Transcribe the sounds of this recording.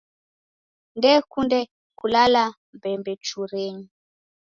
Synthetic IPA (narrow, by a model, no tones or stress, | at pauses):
ndɛkundɛ | kulala | mbɛmbɛt͡ʃuɾeɲi